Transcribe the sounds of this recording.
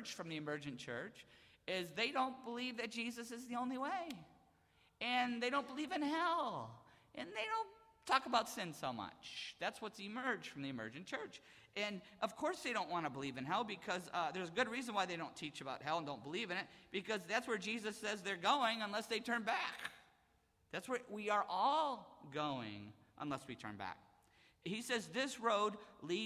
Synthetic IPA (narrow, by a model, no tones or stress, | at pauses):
ʒ̥fɹʌ̃mðiɨmɜ˞d͡ʒɨ̃nt͡ʃʰɜ̰˞t͡ʃɪzðeɪɾõʊ̃nb̥əlivðɨt̚d̥ʒ̥izɨsɨzðiõʊ̃nliweɪ | ɨ̃nðeɪɾõʊ̃nb̥əlivɨ̃nhɛlˠ | ʔɨ̃nðeɪɾõʊ̃ntʰɔkəbaʊtsɪ̃nsoʊmʌ̰t͡ʃðætswʌtsɨmɜ̥˞ʒ̥fɹʌ̃mðiɨmɜ̰˞d͡ʒɨ̃nt͡ʃʰɜ˞t͡ʃ | ɨ̃nʔʌv̥kʰɔɹsðeɪɾõʊ̃nʔwɑ̃ñəbəlivɨ̃nɦɛlˠbɨkʰʌzðə˞zəɡʊd̚ɹizə̃n̩waɪðeɪɾõʊ̃ntʰit͡ʃɨbaʊt̚ɦɛlˠə̃ndõʊ̃nbəlivɨ̃ñɨt̚b̥ɨkʰʌzðætswə˞d͡ʒizɨsɛzðə˞ɡoʊɪ̃ŋə̃nlɛsðeɪtʰɜ̃˞nbæk | ðætswə˞wiə˞ʔɔlˠɡoʊɪ̰̃ŋ | ʔə̰̃nlɛswitʰɜ̰̃˞nbæ̰k̚ | hisɛzðɪsɹoʊdli